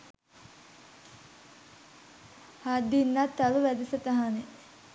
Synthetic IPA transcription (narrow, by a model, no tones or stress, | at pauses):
had̪ːinːɐt̪ːɐluʋæd̪isɐt̪ɐɦane